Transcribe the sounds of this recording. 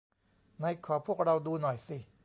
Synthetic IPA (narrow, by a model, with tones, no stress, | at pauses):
na˧jkʰɔː˨˩˦pʰu˥˩ək̚ɾa˧wduː˧nɔ˨˩jsi˨˩